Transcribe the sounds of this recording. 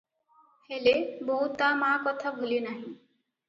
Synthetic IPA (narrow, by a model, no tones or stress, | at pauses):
helebɔɦut̪amãkɔt̪ʰabʱulinaɦĩ